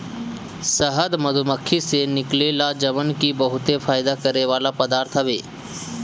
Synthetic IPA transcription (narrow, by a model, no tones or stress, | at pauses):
səɦəd̪məd̪ʱuməkʰːisenɪkleːlad͡ʒəmənkibəɦʊt̪efʰaːjd̪akəɾeʋaːlapəd̪aːɾt̪ʰəbḛː